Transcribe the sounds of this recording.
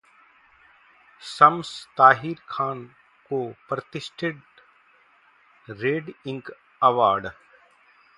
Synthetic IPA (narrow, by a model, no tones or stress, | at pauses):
sɐmst̪aːɦiːɾkʰaːn | koːpɾət̪ɪsʈɪɖ | ɾeːɖɪ̃ŋk | ɐʋaːɾɖ